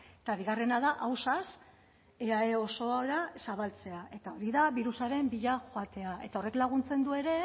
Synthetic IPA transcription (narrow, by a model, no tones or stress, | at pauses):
et̪aβiɣare̞naðaʔawsas | eae̞o̞so̞aɾasaβalt͡se̞aʔe̞t̪ao̞ɾiðaβiɾusaɾe̞mbiʎaxoat̪e̞aʔe̞t̪ao̞re̞klaɣ̞unt͡se̞nd̪ue̞ɾe̞